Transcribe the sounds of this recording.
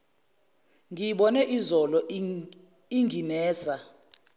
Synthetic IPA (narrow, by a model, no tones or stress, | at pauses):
ŋijiɓɔnɛʔizɔlɔ | iŋinɛːza